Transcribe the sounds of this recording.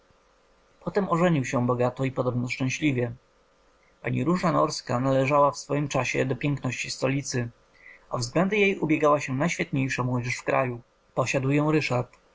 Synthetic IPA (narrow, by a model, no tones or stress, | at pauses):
pʰɔt̪ɛmɔʐɛɲiwɕɛ̃bɔɡat̪ɔipɔd̪ɔbnɔʂt͡ʂɛ̃w̃ɕlʲivʲjɛ | paɲiɾuʐanɔɾskanalɛʐawafsfɔjimt͡ʂaɕɛ̰d̪ɔpʲjɛŋknɔɕt͡ɕist̪ɔlʲit̪sɘ | a̰vzɡlɛnd̪ɛjejubʲjɛɡawaɕɛnajɕfʲjɛt̪̚ɲejʂamwɔd͡ʑɛʂfkɾa̰ju | pɔɕad̪wjɔ̃w̃ɾɘʂaɾt̪